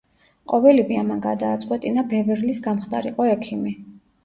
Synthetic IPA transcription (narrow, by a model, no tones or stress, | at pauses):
qʼɔvɛliviamanɡad̪aːt̪sʼqʼwɛt̪ʼinabɛvɛɾlisɡamχt̪ʰʼaɾiqʼɔɛkʰimi